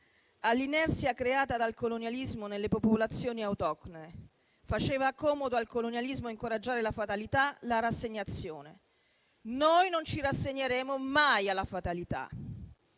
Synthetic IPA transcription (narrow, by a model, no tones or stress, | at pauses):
alːinɛrt̪sjakɾeaːt̪ad̪alkolonjalizmonelːepopolat̪sːjoːniawt̪ɔkne | fat͡ʃeːvakɔːmod̪oalkolonjalizmoaiŋkoɾad͡ʒːaːɾelafat̪alit̪alaɾasːeɲːat̪sːjoːne | nojnont͡ʃiɾasːeɲːeɾeːmomajalafat̪alit̪a̰